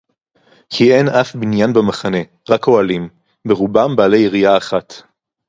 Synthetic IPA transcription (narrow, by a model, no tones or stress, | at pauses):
kʰienafbinjanbamaχane̞ | ʁakoalim | beʁubambaːlejiʁijaːχat